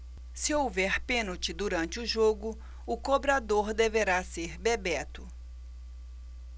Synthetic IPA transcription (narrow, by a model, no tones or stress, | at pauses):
sɪowvɛɾpẽnʊt͡ʃɪd̪uɾɐ̃nt͡ʃɪʊʒoɡʊ | ʊkobɾad̪oɾd̪eveɾaseɾbebɛt̪ʊ